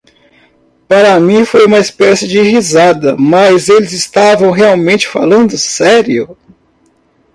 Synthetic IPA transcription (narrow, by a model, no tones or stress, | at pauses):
paɾɐmĩfojũmɐispɛsɪd͡ʒɪhizad̪ɐmɐzelɪzɪst̪avɐ̃w̃ɦeawmẽnt͡ʃɪ̥fa̰lɐ̃nd̪ʊsɛɾiʊ